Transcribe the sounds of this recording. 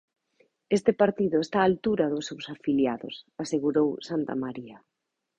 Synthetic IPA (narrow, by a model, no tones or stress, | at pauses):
est̪ɪpaɾt̪iðʊest̪aːlt̪uɾɐðʊsːewsafiljaðʊ̰saseɣuɾowsant̪a̰maɾiɐ